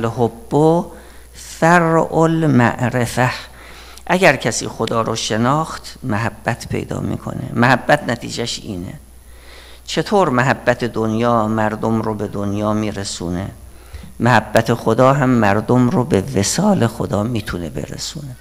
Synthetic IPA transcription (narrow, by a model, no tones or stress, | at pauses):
lhobːo | fæɾʔolmæ̰ʔɾefæh | ʔæɡæɾcʰæsḭːxod̪ɒːɾʔoʃe̞nɒːxt̪mæɦæbːæt̪ʰpʰḛjd̪ɒ̰ːmḭːkʰo̰nḛmæhæbːæt̪ʰnæt̪ʰḭːd͡ʒæʃiːnḛ | t͡ʃʰe̞t̪ʰoːɾmæɦæbːæt̪ʰe̞d̪onjɒːmæɾd̪omɾobe̞d̪onjɒːmiːɾesuːnḛ | mæhæbːæt̪ʰexod̪ɒːɦæmːæɾd̪omrobevesɒːlexod̪ɒːmiːt̪ʰune̞be̞̰ɾḛsuːne